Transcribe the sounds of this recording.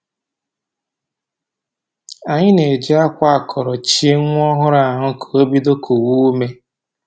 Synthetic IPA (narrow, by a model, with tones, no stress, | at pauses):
a˨ɲɪ˦ne˨d͡ʒi˦a˦kʷa˦a˨kʰɔ˨ɾɔ˨t͡ʃi˦e˦ŋʷʊ˦ɔ˦ɦʊ˦ɾa˨ɦʊ˦kʰo˨o˦bi˦do˦kʰu˨wu˦me˦